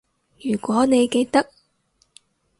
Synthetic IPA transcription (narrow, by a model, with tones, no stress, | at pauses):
jyː˨˩kʷɔː˨˥ne˨˧jke˧jt̪ɐ˥k̚